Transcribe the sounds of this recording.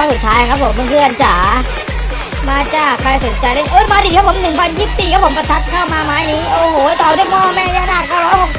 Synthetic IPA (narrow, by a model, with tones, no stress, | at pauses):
a˧˩su˨˩t̪ʰːaː˦˥ja˧kʰa˦˥pʰːo˨˩˦mːɯ˧kʰɯ˧˩˨ʔa˧nt͡ɕaː˩˦ | maː˧t͡ɕaː˨˩kʰːa˧jss̚t͡ɕa˧jla˥˩ʔoː˦˥˩maː˧ɾi˨˩a˦˥pʰo˩˦mnɯ˨˩ŋpʰa˧njiː˥˩p̚siː˨˩kʰpʰo˩˦mpa˧t̪ʰa˦˥t̪̚kʰaː˥˩wmaː˧maː˦˥jniː˦˥ʔoː˧hoː˨˩˦t̪ɔː˨˩du˥˩jmɔː˥˩mɛː˥˩ɲaː˧˥˩naː˥˩kːaː˥˩wɾɔː˦˥jho˨˩k̚